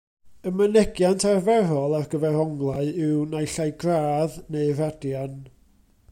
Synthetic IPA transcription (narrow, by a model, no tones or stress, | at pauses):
əmənɛɡjantʰarvɛɾɔlˠarɡəvɛrhɔŋɡlˠaɨɪwnajɬajɡraːðneɨradjan